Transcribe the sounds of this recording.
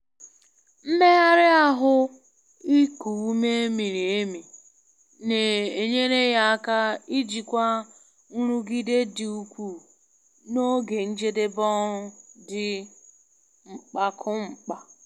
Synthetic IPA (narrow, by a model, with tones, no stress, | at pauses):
m̩˦me˦ɣa˦ɾɪ˦a˦ɦʊ˦ | i˦ku˨u˦me˦e˦mi˨ɾi˨e˦mi˨ | ne˨e˨ɲe˦ɾe˦ja˦a˦ka˦i˦d͡ʒi˨kʷa˦ | ɾu˦ɡi˦de˦dɪ˨u˦kʷu˨ | no˦ɡe˨n̩˦d͡ʒe˦de˦bɔ˦dɪ˨ | ŋ͡m̩˨k͡pa˦kʰʊ˦ŋ͡m̩˨k͡pa˨